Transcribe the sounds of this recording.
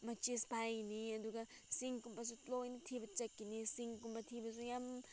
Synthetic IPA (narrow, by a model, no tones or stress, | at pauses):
mɐt͡ʃispajniɐduɡɐsiŋkumbɐs̬utlojnitʰibɐt͡ʃɐkːinisiŋkumbɐtʰibɐsujam